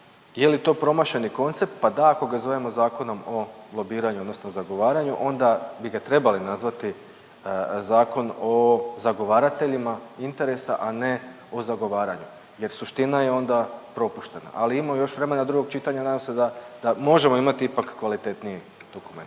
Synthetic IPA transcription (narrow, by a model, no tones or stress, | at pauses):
je̞lit̪o̞ːpɾo̞maʃe̞niko̞nt̪se̞p̚t̪̚pad̪aako̞ɡazo̞ʋemo̞zaːko̞no̞mo̞blˠo̞biːɾaɲuo̞d̪nosnozaɡo̞ʋaːɾaɲṵʔo̞nd̪abiɡat̪ɾe̞balinazʋat̪i | zaːko̞no̞zaɡo̞ʋaːɾat̪e̞ʎimaint̪e̞ɾe̞sa̰ʔane̞ | o̞zaɡo̞ʋaːɾaɲu | je̞ɾsuʃt̪inaje̞o̞nd̪apɾo̞puʃt̪e̞na̰ʔaliimojo̞ʃʋɾe̞me̞nad̪ɾuɡo̞ɡ̚t͡ʃit̪aɲanaːd̪amsed̪ad̪amo̞ʒe̞mo̞imat̪iipakːʋalit̪e̞t̪nije | d̪̥o̞kument̪